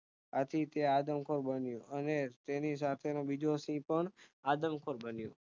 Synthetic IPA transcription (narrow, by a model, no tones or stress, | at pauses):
at̪ʰit̪ead̪əmkʰoɾbənjũənet̪enis̬at̪ʰenobid͡ʒosĩpəɳad̪əmkʰoɾbənjũ